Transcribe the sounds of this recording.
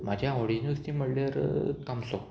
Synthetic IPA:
mad͡ʑʱjaaʋɽinʋst̪im̤əɽlaɾkamso

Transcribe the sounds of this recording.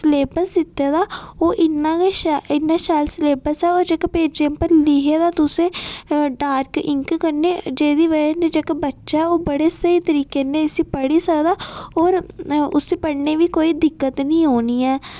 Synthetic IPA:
sleːbəsd̪ɪt̪ːeːd̪aːoːʔɪnːãːkeɪnːãːʃaːlsleːbəsɛːoːɾd͡ʒəkpeːd͡ʒẽmpəɾlɪɦeːd̪aːt̪ʊsẽːɖaːɾkɪŋkkəɾneːd͡ʒeːd̪iːʋənẽːd͡ʒəkbətːʃaɛoːbəɽeːsəiːt̪əɾiːkeːnẽːsipəɽiːsəkd̪aːoːɾʊ̰siːpəɽneːʋiːkoːiːd̪ɪkːət̪nĩːɦoːniːɛː

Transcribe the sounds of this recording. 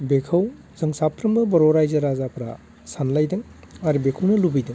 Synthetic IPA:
bekʰɐw | zɐŋsapʰɾɯmbɯbɔɾɔɾajzɐɾazapʰɾa̰ | sanlajdɯŋ | aɾibekʰɐwnɐlubijdɯŋ

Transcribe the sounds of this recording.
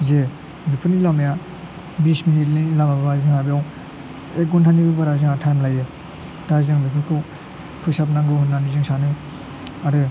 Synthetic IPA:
ze | bipʰɯnilamja | bisminit̚nɯlamababazɯŋhabiaw | ek̚ɡɔntʰanibɯbaɾazɯŋatʰajmlajɯ | dazɯŋbipʰɯkʰɯ | pʰɯsap̚naŋɡɯhunːanizɯŋsanɯ | aɾɯ

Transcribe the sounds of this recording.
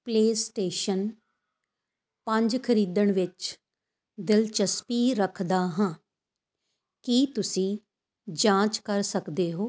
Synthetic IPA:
pleːsʈeːʃən | pə̃ɲd͡ʒkʰəɾiːd̪əɳʋɪt͡ʃ | d̪ɪlt͡ʃəspiːɾəkʰd̪aːɦãː | kit̪ʊsĩː | d͡ʒãːt͡ʃkəɾsəkd̪eːɦoː

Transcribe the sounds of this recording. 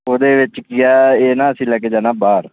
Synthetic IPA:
oːd̪eːʋɪt͡ʃkɪjaːeːnãːəsĩːlɛːkeːd͡ʒaːnaːbaːɾ

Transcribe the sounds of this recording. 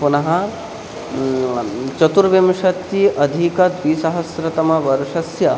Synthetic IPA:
punɐɦɐ | t͡ʃɐt̪uɾʋjɐmʂɐt̪ːiʔɐd̪ʱikɐd̪ʋisɐɦɐsɾɐt̪ɐmɐʋɐɾʂɐsjɐ

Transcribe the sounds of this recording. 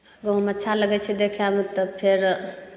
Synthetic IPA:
əɡɔɦəmətːʃʰaləɡɛt͡ʃʰɛd̪ekʰamət̪əpʰeɾ

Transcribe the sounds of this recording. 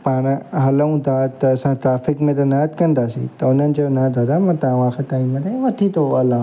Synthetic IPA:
paːɽ̃ɦɐləũt̪ʰat̪ɐːsãʈɾaːfɪkmẽt̪ɐnɐət̪kɐ̃nd̪aːsḭ̃t̪ɐʊn̤ənɪ̆d͡ʑonɐt̪ad̪amɐ̃t̪ɐʋãxʰetaːimːẽt̪ʰeʋɐt̪ʰit̪ʰoɐlã

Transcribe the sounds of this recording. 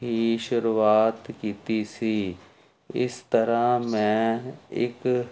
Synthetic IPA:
ɦiːʃʊɾuːaːt̪kiːt̪iːsiː | ɪ̰st̪əɾãːmɛ̃ːɪ̰k

